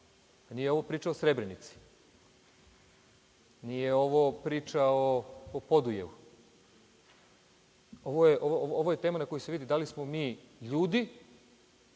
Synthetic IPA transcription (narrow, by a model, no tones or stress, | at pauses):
anijeo̞ʋopɾiːt͡ʃaosɾe̞bɾenit̪si̥ | nijeo̞ʋopɾiːt͡ʃaoːpo̞d̪ujḛʋu | oʋojeʔoooʋojet̪eːmanako̞juse̞ʋiːd̪id̪alismo̞miː | ʎuːd̪i